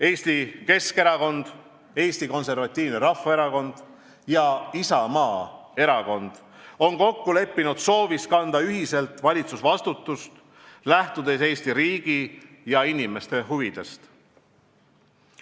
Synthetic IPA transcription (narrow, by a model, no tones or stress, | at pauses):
e̞ːst̪ike̞ske̞ɾɑko̞nd̪̥ | e̞ːst̪iko̞nse̞rvɑt̪ʲˑːiːvneɾɑfɑe̞ɾɑko̞nd̪̥ | jɑisɑmɑː | e̞ɾɑko̞nd̪̥ | o̞nko̞kːule̞pːinud̪̥so̞ːviskɑnd̪̥ɑyɦise̞lt̪vɑlʲit̪susvɑst̪ut̪ːˑust̪ | læht̪ud̪e̞se̞ːst̪iɾiːɡ̥ijɑinime̞st̪e̞ɦuvid̪̥e̞st̪